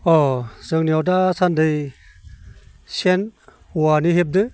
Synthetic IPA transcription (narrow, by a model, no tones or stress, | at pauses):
ɔzɯŋniɔdasandɯj | sen | uwaniɦep̚dɯ